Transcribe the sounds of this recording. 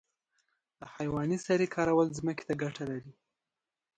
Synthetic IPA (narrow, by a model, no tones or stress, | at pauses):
d̪̥əhajwɑnisaɾekʰɑɾawəlzməke̥t̪aɡaʈʰalaɾi